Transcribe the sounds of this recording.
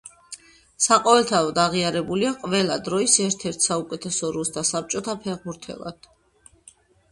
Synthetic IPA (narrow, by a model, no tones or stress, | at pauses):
saqʼɔvɛlt̪ʰavɔd̪aʁiaɾɛbuliaqʼvɛlˠad̪ɾɔisɛɾt̪ʰɛɾt̪ʰsaukʼɛt̪ʰɛsɔɾusd̪asap̚t͡ʃʼɔt̪ʰapʰɛʁbuɾt̪ʰɛ̰lˠa̰d̪̥